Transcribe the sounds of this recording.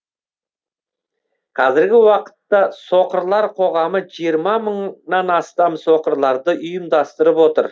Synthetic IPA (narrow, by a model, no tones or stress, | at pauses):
qʰɑzɪɾɡʲɪwɑqə̥t̪ːɑso̞qəɾlˠɑɾqʰo̞ʁɑməʒijəɾmɑməɴnɑnɑst̪ɑmso̞qəɾlˠɑɾd̪əʔʊjəmd̪ɑst̪əɾəpwo̞t̪ə̰ɾ